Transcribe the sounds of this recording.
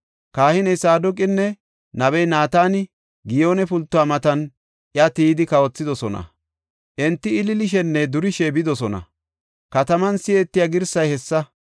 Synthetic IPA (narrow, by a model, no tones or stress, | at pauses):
kaːhɪnɛjsaːd̪ɔkʼɪnːɛ | nɐβɛjnaːt̪aːnɪ | ɡɪjo̞ːnɛpʊlt̪ːʊaːmɐt̪ɐn | ʔɪɐt̪iːd̪ɪkɐwɔt͡sːɪd̪ɔsɔnɐ̰ | ʔɛnt̪ːɪːlɪlɪʃɛnːɛd̪ʊɾɪʃɛbɪd̪ɔsɔnɐ̰ | kɐt̪ɐmɐnsɪjeːt̪ːɪjaɡɪɾsɐjhɛsːɐ